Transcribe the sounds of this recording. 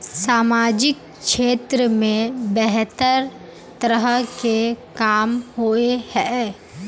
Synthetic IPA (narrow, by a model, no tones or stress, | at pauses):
saːmaːd͡ʒɪk̚ | ʃeːt̪ɾəmẽbɛɦt̪əɾ | t̪əɾəɦkekaːmhoehɛː